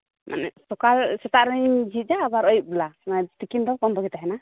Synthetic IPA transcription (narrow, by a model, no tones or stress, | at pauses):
mʔa̰nɛsɔkalsɛt̪aʔɾɔɲd͡ʒit̪̚d͡ʒaːbaɾɔjit̪̚ˀbɛlamaɛt̪ikind̪ɔkɔnb̪ɔɡɛt̪aɦɛna